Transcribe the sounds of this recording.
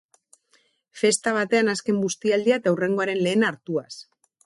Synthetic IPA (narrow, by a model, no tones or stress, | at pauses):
fe̞st̪aβ̞at̪e̞anaske̞mɡust̪iald̪iaet̪auwre̞ŋɡo̞aɾe̞nle̞ːnaɾt̪uas